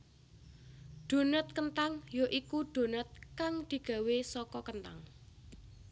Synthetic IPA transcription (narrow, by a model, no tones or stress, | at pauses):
ɖ̪̥o̤nət̪̚kənt̪aŋjoʔikuɖ̪̥o̤nət̪̚kaŋd̪̥i̤ɡ̥ä̤wesɔkɔkənt̪a̰ŋ